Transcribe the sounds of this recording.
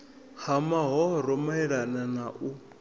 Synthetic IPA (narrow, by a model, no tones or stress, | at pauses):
hamaɦɔɦɔɾɔmaiɺananaʔu